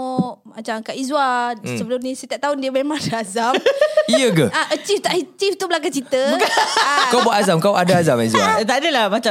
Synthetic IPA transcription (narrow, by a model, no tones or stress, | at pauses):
ʔmat͡ʃaŋkaʔizwasəbəlʊmnĩsət̪aʔt̪aʊndiəmemãŋadaazamiəɡəaʔət͡ʃift̪aʔit͡ʃift̪ubəlak̬aŋt͡ʃit̪əbukakawbuaʔazamkawʔadaazamaizwa̰t̪adəlamat͡ʃa